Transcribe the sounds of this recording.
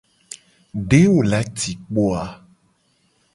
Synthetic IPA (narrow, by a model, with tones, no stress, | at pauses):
ɖe˦wo˨la˨˦t̪i˨k͡po˦a˨